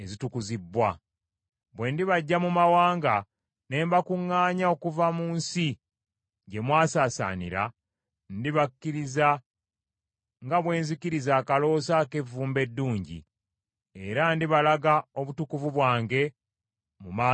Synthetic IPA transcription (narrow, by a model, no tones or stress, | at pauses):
ezitukuzibːwa | βwe̞ndiβaɟːamumawaːŋɡa | ne̞ːmbakuŋːaːɲao̞kuvamuːnsi | ɟe̞mwaːsaːsa̰nḭɾa̰ | ndiβakːiɾiza | ŋɡaβwe̞ːnzikiɾizaːkalo̞sake̞vːuːmbe̞dːuːɲɟḭ | e̞ɾandiβalaɡao̞βutukuvuβwaːŋɡe̞ | mumaː